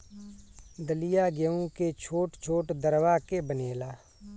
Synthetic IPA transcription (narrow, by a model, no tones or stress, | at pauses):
d̪əlijaɡəũket͡ʃʰoːʈt͡ʃʰoːʈd̪əɾwakebəneːlaː